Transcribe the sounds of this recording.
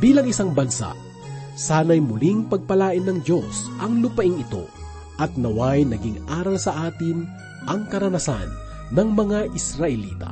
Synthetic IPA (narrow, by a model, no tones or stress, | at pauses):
biːlɐŋɪsaŋbɐnsa̰ʔ | saːnɐjmʊliŋpɐɡ̚pɐlaːʔɪnːɐŋd̪o̞sʔɐŋlʊpɐʔɪŋɪt̪o̞̰ | ʔɐt̪̚nɐwajnɐɡɪŋaːɾɐlsɐʔaːt̪ɪn | ʔɐŋkɐɾɐnɐsa̰nː | ɐŋmɐŋaʔɪsɾɐʔɛliːt̪ɐ̰